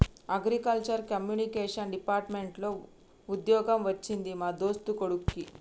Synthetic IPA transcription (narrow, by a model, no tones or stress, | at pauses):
ɐɡɾikɐlt͡ʃɐɾkɐmjuːnikeːʂɐnɖipaːɾʈmeɳʈlo̞ː | ud̪jɔːɡɐmʋɐt͡ʃːind̪imaːd̪o̞ːst̪ukoɽukːi